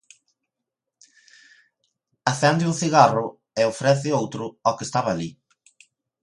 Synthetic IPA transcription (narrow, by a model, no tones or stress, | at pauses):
aθɛnd̪ɪuŋθiɣarʊ | eofɾɛθɪowt̪ɾʊɔkest̪aβaːli